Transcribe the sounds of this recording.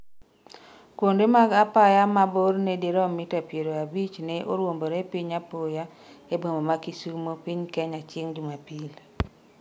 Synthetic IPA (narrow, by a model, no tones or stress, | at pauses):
kwondemaɡapajamabornediɾɔmɪtapjeɾoabit͡ʃneʔoɾwomboɾepiɲapoja | ebomomakisumopiɲkɛɲat͡ʃɪŋd͡ʒumapil